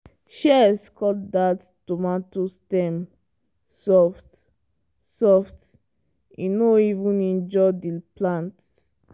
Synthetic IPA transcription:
ʃɛskɔtdat | tomatostɛm | sɔft | sɔft | inoivũnĩnd͡ʒɔdiplãnt

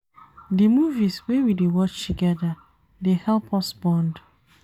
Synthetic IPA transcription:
dimuviswewidewɔt͡ʃtʰuɡɛda | dehɛlˠpʰɔsbɔ̃nd

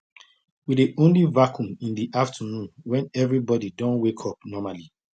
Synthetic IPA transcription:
widiʔõnlivakʰũmĩndiʔaftʰənũnwɛ̃nɛvɹibɔdidɔ̃nwekʰɔpnɔmali

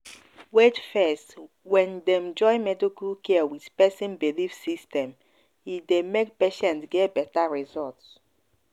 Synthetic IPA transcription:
wedfɛst | wɛ̃ndɛmd͡ʒɔɪmɛdikulkʰɛwidpɛsĩnbilifsistɛ̃m | idemek̚peʃɛ̃ntɡɛtbɛtaɹizɔlts

